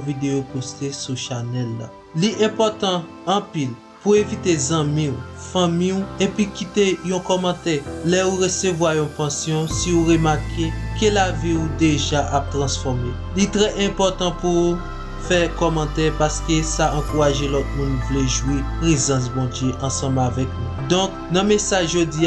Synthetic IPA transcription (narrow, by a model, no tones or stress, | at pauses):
vid̪eopost̪esuʃanɛlːa̰ | liʔɛ̃pɔt̪ɑ̃ː | pil | puevit̪ezãmĩufãmĩuepikitejɔ̃kɔmɑ̃t̪ɛlɛuʁesevwajɔ̃pãsjɔ̃siuʁemakʰekelaviud̪eʒaʔap̚t̪ʁɑ̃sfɔʁme | lit̪ʁɛʔɛ̃pɔt̪ɑ̃pu | fɛkɔmɑ̃t̪ɛpaskesaʔɑ̃kuʁaʒelɔt̪̚mũnvleʒwipʁezɑ̃s̬bɔ̃djeʔɑ̃sɑ̃bavɛk̚nũd̪ɔ̃k̚ | nãmesaʒʒodia